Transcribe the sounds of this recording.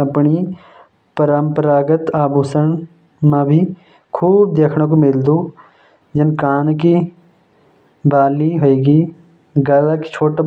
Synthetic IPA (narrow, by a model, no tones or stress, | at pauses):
əpɳi | pəɾəmpəɾaːɡət̪aːbuːsən | mãbʱi | kʰuːb̚d̪eːkʰɽ̃õk̬omɪld̪uː | d͡ʒɪnkaːnki | baːliɦoeːɡiː | ɡaːlaki̥t͡ʃʰoːʈa